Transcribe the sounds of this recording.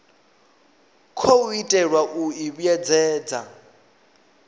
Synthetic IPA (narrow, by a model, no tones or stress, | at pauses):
kʰouitʼɛɺwaʔuiβujɛd͡zɛːd͡za̰